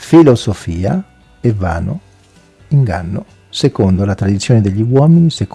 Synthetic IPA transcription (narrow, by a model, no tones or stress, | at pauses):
filozofiːa̰ | evːa̰ːno̰ | iŋɡa̰nːo | sekond̪olat̪ɾad̪it̪sːjoːned̪eʎːiwɔːminisek